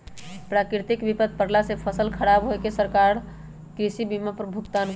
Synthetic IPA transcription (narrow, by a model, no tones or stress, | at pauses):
pɾakɾit̪ikbipəd̪̚ʱpəɾlasepʰəsəlkʰəɾabɦoekesəɾkaɾ | kɾisibimapɾbʱukt̪an